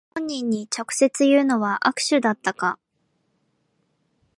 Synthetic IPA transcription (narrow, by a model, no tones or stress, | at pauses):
õɲ̟ːĩɲ̟ːit͡ɕo̞kɯ̟̥se̞t͡sɨjɯːno̞βaʔakɯ̟̥ɕɨd̪at̪ːaka